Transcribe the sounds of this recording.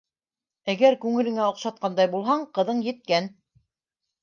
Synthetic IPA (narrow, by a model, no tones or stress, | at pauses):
æɡæɾkʉŋɘ̆lɘ̆ŋæŏqʃɑt̪̚qɑnd̪ɑjbulˠɦɑɴqɤ̆ðɤɴjɘ̆t̪̚kæn